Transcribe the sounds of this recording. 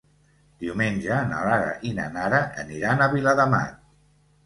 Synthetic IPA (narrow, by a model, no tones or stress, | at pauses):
d̪̥iwmenʲʒəːna̰laɾə̰ʔina̰naɾəʔə̰niɾanəβiləðəma̰t̪̚